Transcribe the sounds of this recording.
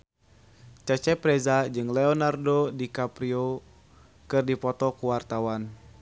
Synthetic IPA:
t͡ʃat͡ʃɛpɾɛzad͡ʒɨŋlɛɔnardodikapɾio | kɨrdipɔt̪ɔkuwart̪awan

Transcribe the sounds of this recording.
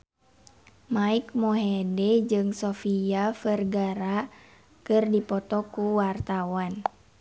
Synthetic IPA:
maik̚mɔɦɛdɛd͡ʒɨŋsofiafərɡaɾa | kɨrdipɔt̪ɔkuwart̪awan

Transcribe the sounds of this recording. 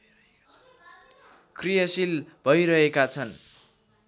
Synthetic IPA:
krijʌsilbʱʌjɾʌɦekat͡sʰʌn

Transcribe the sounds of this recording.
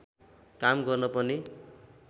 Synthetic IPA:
kamɡʌrnʌpʌni

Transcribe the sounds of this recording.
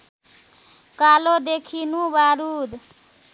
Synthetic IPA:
kalod̪ekʰinubaɾud̪

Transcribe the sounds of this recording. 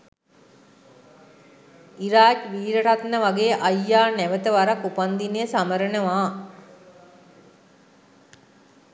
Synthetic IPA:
iɾaːt͡ʃʋiːɾəʈat̪nəʋaɡeːʔajːaːnæʋət̪əʋaɾakupand̪inejəsaməɾənəʋaː

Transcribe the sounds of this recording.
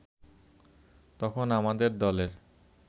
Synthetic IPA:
t̪ɔkʰonamad̪eɾd̪ɔleɾ

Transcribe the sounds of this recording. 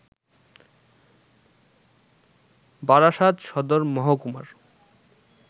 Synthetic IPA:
baɾaʃad̪ʃɔd̪oɾmɔɦakuma̰ɾ

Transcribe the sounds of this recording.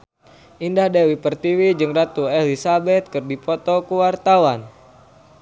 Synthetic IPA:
ʔindahdewipərt̪iwid͡ʒɨŋrat̪uɛlisabɛt̪̚kɨrdipɔt̪ɔkuwart̪awan

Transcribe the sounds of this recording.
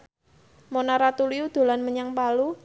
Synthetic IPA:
monaɾat̪uliud̪̥o̤lanməɲaŋpalu

